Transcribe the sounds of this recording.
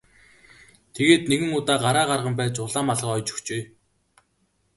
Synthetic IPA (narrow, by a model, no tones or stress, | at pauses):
t̪ʰeɣeːt̪̚neɣɘ̆ŋʊt̪aːɢaɾaːɢarʁə̆mpæːt͡ɕʊɮaːmaɮʁə̆χɔjt͡ɕɵ̥xt͡ɕeː